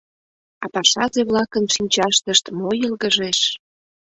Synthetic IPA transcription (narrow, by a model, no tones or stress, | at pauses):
ɑpɑʃɑzeβlɑkənʃinʲt͡ɕɑʃt̪əʃt̪mojəlɣəʒeʃ